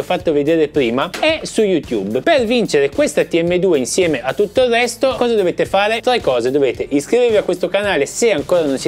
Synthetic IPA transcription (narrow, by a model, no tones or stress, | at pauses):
ɔfːat̪ːoved̪eːɾepɾiːmaɛsujut̪jṵbpervint͡ʃeɾekwest̪at̪iɛmːed̪uːeinsjɛːmeʔat̪ːut̪ːoilrɛst̪okɔːzad̪oveːt̪efaːɾet̪ɾekːɔːzed̪oveːt̪eʔiskɾiveɾviakːwest̪okanaːleseaŋkoːɾanonsi